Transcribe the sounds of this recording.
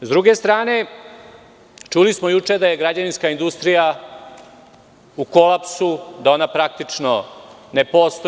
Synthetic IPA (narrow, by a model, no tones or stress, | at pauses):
zd̪ɾuɡe̞st̪ɾaːne̞ | t͡ʂulismojut͡ʂe̞d̪aje̞ɡɾad͡ʑaninskaind̪ust̪ɾija | uko̞lapsud̪ao̞napɾak̚t̪it͡ʂnone̞po̞ːst̪o